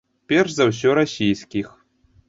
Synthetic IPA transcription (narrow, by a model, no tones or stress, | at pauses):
pʲerʂzaws̬ʲɔɾasʲijsʲkʲix